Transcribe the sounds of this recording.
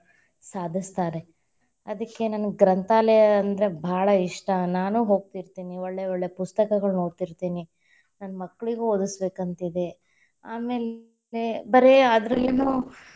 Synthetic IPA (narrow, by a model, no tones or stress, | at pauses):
saːd̪ʱist̪aːɾe̞ | ɐd̪ɐkːe̞nɐnɐɡɾɐnt̪aːleɐnd̪ɐɾe̞bʱaːɭɐiʂʈɐnaːnuːɦo̞ːɡ̚t̪iɾt̪iːnioɭːeoɭːepust̪ɐkɐɡɐɭno̞ːɾt̪iɾt̪iːni | nɐnːɐmɐkːɐɭiɡeod̪usbe̞ːkɐnt̪id̪e̞ | aːme̞ːl | ebɐɾeaːd̪ɐɾueːnu